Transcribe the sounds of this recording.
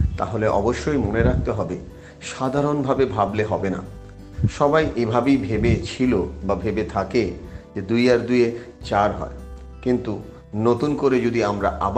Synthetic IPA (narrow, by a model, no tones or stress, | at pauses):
t̪aɦoleʔɔ̰boʃːojmoneɾak̚t̪eɦɔbe | ʃad̪ʱaɾonbʱabebʱableɦɔbena̰ | ʃɔbajʔebʱabejbʱebet͡ɕʰilobabʱebet̪ʰaked͡ʑed̪ujaɾd̪ue | t͡ɕaɾɦɔ̰e | kint̪u | not̪unkoɾed͡ʑod̪iamɾa̰ʔab